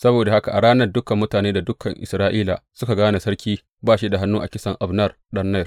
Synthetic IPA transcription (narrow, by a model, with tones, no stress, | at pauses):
sɐ˦boː˨da˨ha˦ka˨ʔa˨ɾaː˦nɐ˨rdʊ˦kɐ˨mːʊ˦taː˨neː˦da˨dʊ˦kːɐ˨ŋʔɪ̰˨sɾaː˦ʔiː˦la̰˨sʊ˦ka˨ɡaː˦na˨sɐ˦ɽkʲiː˦ | baː˦˨ʃi˦da˨ɦa˦nːuː˦ʔa̰˨kʲɪ˦sɐ˨ŋʔa˨bnɐ˦rɗɐ˦nnɐ˦jr